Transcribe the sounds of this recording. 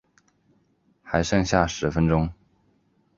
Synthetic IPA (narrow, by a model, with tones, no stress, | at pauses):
xa˧˥ɪʂɤ˥˧ŋɕja˥˩ʂɻ̩˧˥fə˧˥nʈ͡ʂʊ˥ŋ